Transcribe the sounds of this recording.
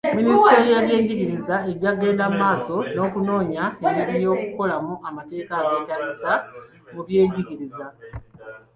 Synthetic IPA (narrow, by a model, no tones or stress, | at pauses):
ministeɾijaβje̞ːɲɟiɡiɾizae̞ɟaɡe̞ːnamːaːso̞no̞ːkuno̞ːɲaemiɾijo̞ːkuko̞lamuʔamate̞ːkaɡe̞ːtalisa | muβje̞ːɲɟiɣiɾiza